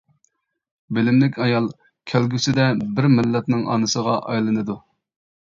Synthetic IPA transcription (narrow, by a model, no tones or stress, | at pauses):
bɪlɪmlɪkʲɑjɑlˠ | kʲʰælɡʲysɪd̪ɛbɪɾmɪlːɛt̪nɪŋʔɑ̰nɨsəʁɑʔɑjlˠɨnɨd̪u